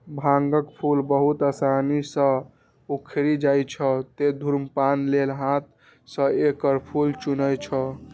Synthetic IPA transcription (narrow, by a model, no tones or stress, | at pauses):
bʱaŋɡəkpʰulbəɦut̪asanisə̃ | ukʰɾid͡ʒajt͡ʃʰət̪ed̪ʱuɾmpanlelɦãt̪̚ | sə̃ekəɾpʰult͡ʃunəjt͡ʃʰə